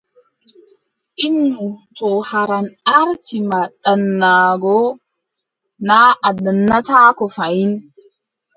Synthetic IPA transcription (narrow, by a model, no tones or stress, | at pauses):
ʔinːutɔhaɾanaɾtimaɗanːaːɡɔ | naːʔadanːataːkɔfajin